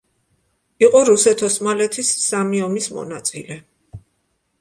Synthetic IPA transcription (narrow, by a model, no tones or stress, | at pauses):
iqʼɔɾusɛt̪ʰɔsmalɛt̪ʰisːamiɔmismɔ̰nat̪sʼḭlɛ